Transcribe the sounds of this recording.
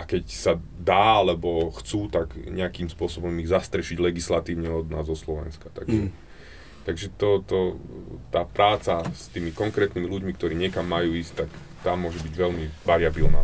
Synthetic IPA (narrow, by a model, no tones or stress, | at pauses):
ʔakɛcsa | d̪aːalɛbɔxt͡suːt̪aɡɲɛakimspʊɔsɔbɔmiɣzast̪ɾɛʃiɟlɛɡislat̪iːʊɲɛɔd̪naːzɔslɔʋɛ̰nskḁt̪a̰ɡʒɛ | t̪aɡʒɛt̪ɔt̪ɔt̪aːpɾaːt͡sast̪iːmikɔŋkɾɛːt̪nimiluɟmikt̪ɔɾiːɲɛkamːajuːiːsct̪ak | t̪aːmʊɔʒɛbiɟʋɛlmibaɾɪabilna̰ː